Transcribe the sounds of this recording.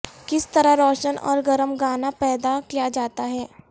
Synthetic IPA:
kɪst̪ɐɾaɾɔːʃənɔ̰ːɾɡɐɾəmɡaːnapɛːd̪akijad͡ʒaːt̪aɦɛː

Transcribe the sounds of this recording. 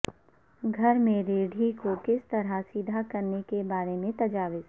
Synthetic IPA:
ɡʱɐɾmẽɾeːɖʱikokɪst̪ɐɾasid̪ʱakɐɾnekebaːɾemẽt̪ɐd͡ʒaːʋɪz

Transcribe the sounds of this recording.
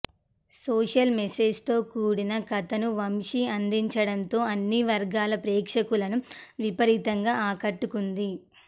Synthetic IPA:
soːʂɐlmeseːd͡ʒt̪o̞ːkuːɽinɐkɐt̪ɐnuʋɐmʂiɐnd̪iɲt͡ʃɐɽɐnt̪o̞ːɐnːiʋɐɾɡaːlɐpɾɛːkʂɐkulɐnuʋipɐɾit̪ɐŋɡaːaːkɐʈːukund̪i

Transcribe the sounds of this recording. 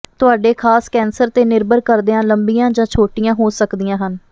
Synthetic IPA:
t̪ʊaːɖeːkʰaːskɛːnsəɾt̪eːnɪɾbəɾkəɾd̪eːãːləmbijãːd͡ʒãːt͡ʃʰoːʈɪjãːɦoːsəkd̪ɪjãːɦən

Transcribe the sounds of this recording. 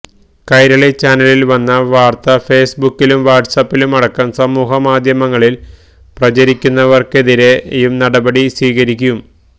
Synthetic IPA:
kɐjɾɐɭet͡ɕaːnɐlilʋɐnːɐʋaːrt̪ɐfe̞ːsbukːilumʋaːʈsɐpːilumɐɽɐkːɐmsɐmuːɦɐmaːd̪ʱjɐmɐŋːɐɭil | prɐt͡ɕɐɾikʲːunːɐʋɐrke̞ðiɾe̞jumnɐɽɐbɐɽisʋiːɣɐɾikʲːum

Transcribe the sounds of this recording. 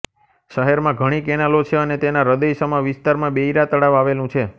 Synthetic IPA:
ʃəɦɛɾmãɡʱəɽ̃ikɛnalot͡ʃʰeənet̪enaɾəd̪əjsəmaʋɪst̪aɾmãbeiɾat̪əɽaʋaʋelũt͡ʃʰe

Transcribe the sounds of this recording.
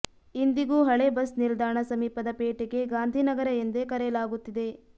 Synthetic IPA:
ind̪iɡuːɦɐɭebɐsnild̪aːɳɐsɐmiːpɐd̪ɐpeːʈeɡe̞ɡaːnd̪ʱinɐɡɐɾɐind̪e̞kɐɾɛjɐlaːɡut̪ːid̪e̞

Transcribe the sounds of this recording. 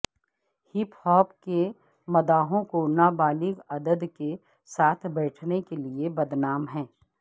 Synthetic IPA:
hɪphɔːpke | mɐd̪aːɦõkonabaːlɪɡɐd̪əd̪ke | saːt̪ʰbɛːʈʰnekeliebɐd̪naːmɦɛ̃ː

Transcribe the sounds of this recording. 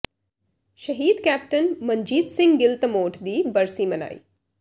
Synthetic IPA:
ʃɐɦiːd̪kæːp̚ʈənmɐɲd͡ʒiːd̪sɪ̃ŋɡɡɪlt̪moːʈʰd̪iːbɐɾsiːmɐna̰ːḭː

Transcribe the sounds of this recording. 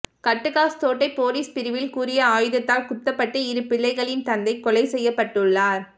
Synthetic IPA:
kɐʈːɯkaːst̪oːʈːɐɪpoːliːspɪɾɯʋɪlkuːɾɪjɐaːjɯðɐt̪ːaːlkʊt̪ːɐpːɐʈːɐɪɾɯpːɪɭːɐɪɣɐɭɪnt̪ɐnd̪ɐɪkːɔlɐɪsɛjːɐpːɐʈːɯɭːaːɾ

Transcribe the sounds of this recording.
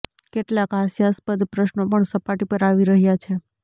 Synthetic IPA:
keʈlakɦasjaspəd̪pɾəʃnopəɳsəpaʈipəɾaʋiɾəɦjat͡ʃʰe

